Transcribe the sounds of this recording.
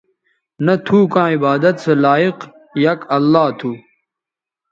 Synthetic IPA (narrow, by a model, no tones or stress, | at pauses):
nɐt̪ʰuːkãːibaːd̪ɐt̪selaːiq | jɐkɐlːaːt̪ʰu